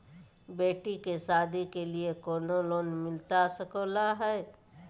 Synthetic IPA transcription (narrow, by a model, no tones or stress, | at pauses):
beːʈikesaːd̪ʱikeliekoːnoloːnmɪlt̪asəkoːlaɦɛː